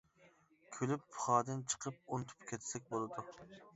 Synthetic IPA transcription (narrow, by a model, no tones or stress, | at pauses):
kʲʰølypːʰʊ̥χɑːd̪ɨnt͡ʃʰə̥qʰəp̚unt̪ʰu̥pkʲʰet̪ʰsɛk̚ʲbolˠɨd̪u